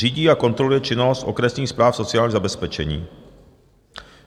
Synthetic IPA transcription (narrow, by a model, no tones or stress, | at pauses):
iːɟiːako̞nt̪ɾo̞lujɛt͡ʃɪnost̪ʔo̞̰kɾɛsnɲiːxspɾaːfso̞t͡sɪaːlɲiːzabɛspɛt͡ʃɛ̰ɲḭː